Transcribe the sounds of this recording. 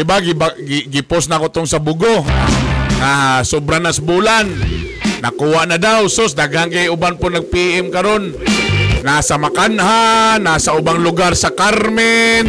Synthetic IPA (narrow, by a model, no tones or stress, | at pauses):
ɪbaɡɪbaɡɡɪpʊsnakot̪ʊŋsabʊɡo | ŋasʊbɾanasbulanː | a̰kuwaʔnadawsosd̪aɡhaŋkajʊbanpʊnaɡ̚piʔɛmkaɾonː | asamakanɦanasaʊbaŋlʊɡarsakaɾmɪn